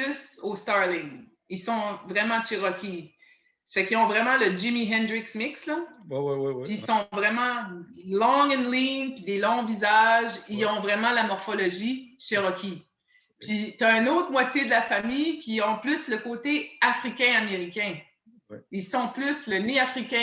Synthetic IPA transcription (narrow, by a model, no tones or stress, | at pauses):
sost̪ɑʁlɪŋ | ilsɔ̃vʁɛmɑ̃ʃeʁɔkʲi | fɛkiɔ̃vʁɛmɑ̃ləd͡ʒimiɦɛ̃nd̪ʁɪksmɪkslɔ | piisɔ̃vʁɛmɑ̃lɔ̃ŋə̃nliŋpid̪elɔ̃vizaʒiɔ̃vʁɛmɑ̃lamɔʁfɔlɔʒiʃeʁɔkʲʰi | pɥit̪aɛ̃not̪χmwat͡sjed̪əlafamijkʲiɔ̃plysləkot̪eafʁikʲɛ̃ameʁikʲɛ̃ | ilsɔ̃plysləneafʁikʲɛ̃